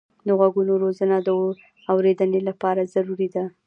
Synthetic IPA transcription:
d̪əɣwaɡunoɾozənad̪ə | awɾed̪ənelapɑɾazaɾuɾid̪a

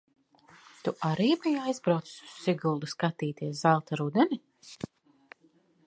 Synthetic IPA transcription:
t̪uʔaɾiːbijajzbɾawt̪si̥su̥ssiɡulˠd̪uskat̪iːt̪iɛszalˠt̪aɾud̪ɛnʲi

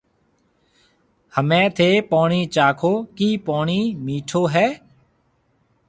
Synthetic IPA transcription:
həmẽːt̪ʰeːpoːɳiːt͡ʃaːkʰoːkiːpoːɳiːmiːʈʰoːɦɛː

